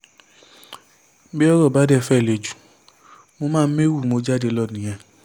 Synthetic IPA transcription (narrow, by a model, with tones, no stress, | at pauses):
bi˦ɔ˦ɾɔ˦˨ba˨˦dɛ˦˨fɛ˦˨le˨d͡ʒu˨˦ | mo˧mãː˦˧˦me˦wu˦˨mo˧d͡ʒa˦de˧lɔ˦˨nĩ˨j̃ɛ̃˧˨